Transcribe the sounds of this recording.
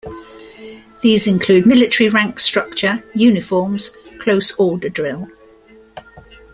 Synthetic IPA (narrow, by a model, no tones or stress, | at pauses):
ðiːzɪ̃nkʰl̥ʉːd̚mɪlɪtəɹiɹãŋkstɹ̥ʌk̚t͡ʃəjʉːnɪfɔːmz̥kʰl̥əʊsɔːdədɹɪlˠ